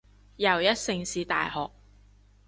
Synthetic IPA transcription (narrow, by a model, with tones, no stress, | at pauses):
jɐ˨˩wjɐ˥t̚sɪ˧ŋsiː˨˧t̪a̰ː˨jhɔː˨k̚